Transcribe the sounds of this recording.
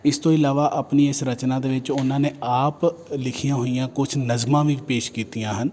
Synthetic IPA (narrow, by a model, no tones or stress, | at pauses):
ɪst̪õːɪlaːʋaːʔaːpniːesɾət͡ʃnãːd̪eːʋɪt͡ʃʊnãːneːʔaːplɪkʰijãːɦoːijãːkʊt͡ʃʰnəzmãːʋiːpeːʃkiːt̪ijãːɦən